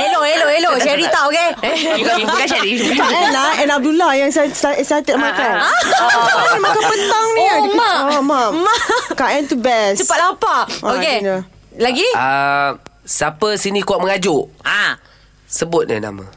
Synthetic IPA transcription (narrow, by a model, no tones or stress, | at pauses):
eloʔeloʔeloaɾit̪aoke | kaʃadikaɛnaɛ̃nap̚dulajaŋsasasat̪ət̪̚makanaanimakapət̪aŋnimaoma | kaɛ̃nt̪ubɛssupatlapaokena | laɡiə | sapəsinĩkuaʔ̚məŋad͡ʒʊʔa | səbʊt̪̚nḭna̰ma̰